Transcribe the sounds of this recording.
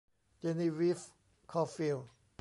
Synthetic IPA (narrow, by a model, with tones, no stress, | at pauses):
t͡ɕe˧ni˧wi˦˥f | kʰɔ˧fi˧l